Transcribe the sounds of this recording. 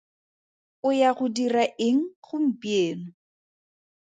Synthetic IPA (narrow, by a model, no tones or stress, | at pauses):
ʊjaɣʊdiraʔɪŋ̩χʊm̩pieːnʊ